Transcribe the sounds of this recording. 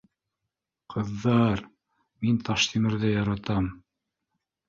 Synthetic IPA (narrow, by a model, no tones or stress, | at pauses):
qʰɤ̆ðːɑɾ | mint̪ɑʃt̪ʰimɘ̆ɾðɘjɑɾɑt̪ɑm